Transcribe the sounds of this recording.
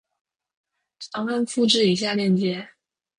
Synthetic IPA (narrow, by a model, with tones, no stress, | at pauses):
t͡sʰɑ˧˥ŋa˥˧nfu˥˧ʈ͡ʂɻ̩˥˩i˨˧˥ɕ̬ja˥˧ljɛ˥˩nt͡ɕjɛ˥